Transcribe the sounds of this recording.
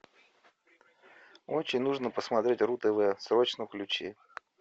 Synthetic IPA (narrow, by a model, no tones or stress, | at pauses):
ot͡ɕɪnʲnuʐnəpəsmɐt̪ɾʲetʲrut̪ɨvɨjsɾot͡ɕnəklʲʉt͡ɕi